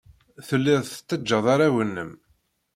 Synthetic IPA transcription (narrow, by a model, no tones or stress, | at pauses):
θəlːɪðˤθə̥t̪ːəd͡ʒːɑðˤaɾawənːə̰m